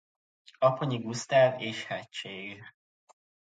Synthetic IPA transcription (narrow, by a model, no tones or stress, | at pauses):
ɒpoɲiɡust̪ɛːleːʃhɛct͡ʃːeːɡ